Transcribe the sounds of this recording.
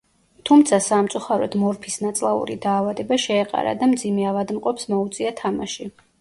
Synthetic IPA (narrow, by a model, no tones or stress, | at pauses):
t̪ʰumt̪sʰasamt̪sʼuχaɾɔ̰d̪mɔɾpʰisnat̪sʼlˠaṵɾid̪aːvad̪ɛbaʃɛːqʼa̰ɾa̰d̪amd̪zimɛavad̪mqʼɔpsmɔut̪sʼiat̪ʰamaʃi